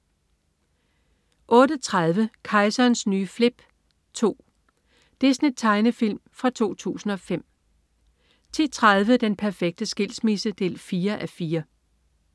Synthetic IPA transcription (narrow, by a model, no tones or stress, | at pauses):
ʔɔ̽ːɾ̥ət͡sʰʁað̞ˠʋəkʰɑ̈ɪsɐnsnyːfle̝b̥ | t͡sʰo̝̰ː | d̥esnit͡sʰɑ̈ɪnəfil̰mfʁɑ̈t͡sʰo̝̰ːt͡sʰṵːsn̩ɒ̽fem̰ | t͡sʰe̝t͡sʰʁað̞ˠʋəd̥enpʰæɐfeɡ̥̚d̥əsɡ̥e̝l̰smisəd̥e̝lfiːɐʔæfiːɐ